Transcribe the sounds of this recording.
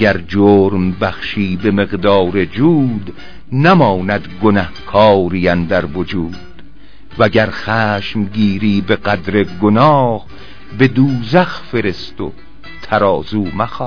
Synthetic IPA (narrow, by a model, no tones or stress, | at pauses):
æɾd͡ʒoːɾmbæχʃiːbe̞me̞ɣd̪ɒːɾe̞d͡ʒuːd̪ | næmɒːnæd̪ɡonæhkʰɒːɾijænd̪æɾvod͡ʒuːd̪̥ | væɟæɾxæːʃmɡiːɾiːbe̞ɢæd̪ɾeɡonɒːh | be̞d̪uːzæxfe̞ɾe̞st̪o̰ | t̪ʰæɾɒːzuːmæxɔ